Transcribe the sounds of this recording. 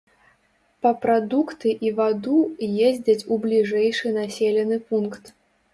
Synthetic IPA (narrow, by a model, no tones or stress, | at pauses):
pɐpɾad̪ukt̪ɨʔivad̪ujezʲd͡zʲɐt͡sʲublʲiʐɛjʂɨnasʲelʲɛnɨpunkt̪